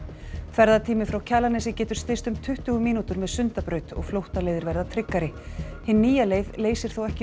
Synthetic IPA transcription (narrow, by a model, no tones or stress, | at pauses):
kθvɛɾðat̪ʰiːmɪfɾawcʰɛːlanɛsɪcɛːt̪ʏ̥ɾ̥st̪ɪst̪ʏmt̪ʰʏht̪ʏːɣʏmiːnut̪ʏɾmɛðsʏnt̪apɾœːɥt̪ɔ̰ɣflowht̪aleːjðɪɾvɛɾðat̪ʰɾɪkːaɾɪhɪnːiːjaleːjðleːjsɪɾ̥θowɛhcɪ